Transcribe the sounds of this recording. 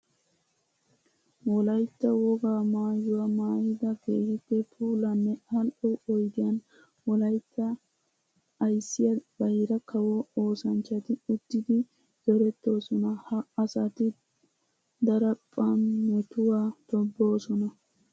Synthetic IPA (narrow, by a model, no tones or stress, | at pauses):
wɔlɐjt̪ːɐwɔɡaːmaːjʊwɐmaːjɪd̪ɐɡeːhɪt̪ːɛpʰuːlɐnːɛɐlɔɔjd̪ɪjɐn | wɔlɐjt̪ːɐ | ɐjsːɪjɐbɐjɪɾɐkʰɐwooːsɐnt͡ʃːɐt̪ɪʊd̪ːɪd̪ɪ | zɔɾɛt̪ːo̞ːsɔnɐhɐɐsɐt̪ɪ | d̪ɐɾɐpʼːɐnːɛt̪ʊwaːt̪ɔbːo̞ːsɔnɐ